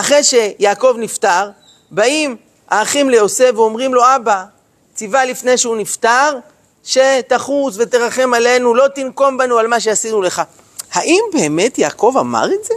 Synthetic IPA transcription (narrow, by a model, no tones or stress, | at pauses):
ʔaχʁe̞jʃe̞jaːko̞vniftaʁ | baim | ʔaːχimlejo̞se̞veo̞mʁimlo̞aba | t͡sivalifne̞jʃeunift̪aʁ | ʃe̞t̪aχuzve̞t̪eʁaχe̞male̞nulo̞t̪inko̞mbanualmaʃ̬e̞asid̪nuleχa | haʔimbeːme̞tjaːko̞vama̰ʁeze